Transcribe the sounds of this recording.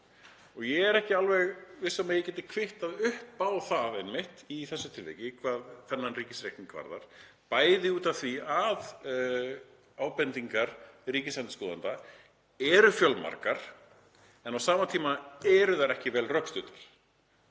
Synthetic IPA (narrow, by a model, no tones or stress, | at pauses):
ɔɣjɛɣɛɾɛhcɪalvɛɣvɪsamɛjɛcɛːt̪ɪkʰvɪht̪aðʏhpaːwθaðɛnmɪht̪iθɛsːʏt̪ʰɪlvɛ̰jcɪkʰvaːðθɛnːanriːcɪsɾeːk̪niŋkva̰ɾða̰ɾ̥ | paːjðɪuːt̪av̥θviað | aːwpɛnt̪iŋkaɾ̥riːcɪslɛnt̪ɪskɔːða̰nt̪a | ɛɾʏfjœlma̰ɾkaɾ̥ | ɛnawsaːmat̪ʰiːmaɛɾʏðaɾɛhcɪvɛːlrœkst̪ʏːt̪ḁɾ̥